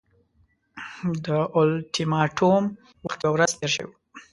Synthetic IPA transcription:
d̪əʔʊlt̪imɑʈʰom | waxt̪jawɾazt̪eɾʃə̰wi

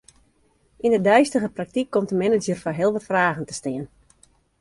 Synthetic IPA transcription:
indədœɥstəɣəprak̚tikʰːɔmtəmɛnəd͡ʒərfaɦɪəlˠʋɔtfraːɣən̩tə̥stɪən

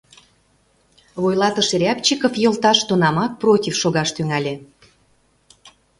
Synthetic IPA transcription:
βojlˠɑt̪əʃeɾʲɑpt͡ɕikofjolˠt̪ɑʃt̪onɑmɑk̚protʲifʃoɣɑʃt̪yŋælʲe

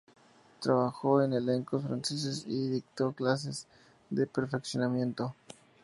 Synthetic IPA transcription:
t̪ɾaβaxoenele̞ŋkosfɾanses̬esiðik̚t̪o̞klas̬e̞z | ðepe̞ɾfe̞ksjo̞namje̞nt̪o

